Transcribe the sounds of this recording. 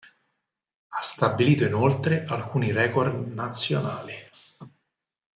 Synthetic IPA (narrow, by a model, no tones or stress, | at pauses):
ast̪abːiliːt̪oinolt̪ɾeʔalkuːniɾɛːkord̪nat̪sːjonaːli